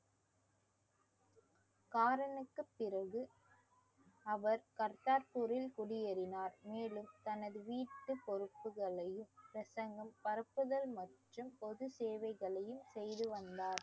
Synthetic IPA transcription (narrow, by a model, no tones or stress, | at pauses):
kaːɾɐɳɯkːɯpːɪɾɐɣɯ | ɐʋɐɾkɐɾt̪aːɾpuɾɪlkʊɽɪjɐɾɪnaːɾmeːɭɯmt̪ɐnɐðɯʋiːʈːɯpːɔɾɯpːɯɣɐɭɐjɯmpɾɐsɐŋɡɐmpɐɾɐpːɯðɐlmɐʈrɯmpɔðɯseːʋɐɪɣɐɭɐjɯmsɛjðɯʋɐnd̪aːɾ